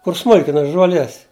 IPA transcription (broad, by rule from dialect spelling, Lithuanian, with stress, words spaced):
kʊr ˈsmʊlʲkʲɪnɐ ʒuɔˈlʲiɛs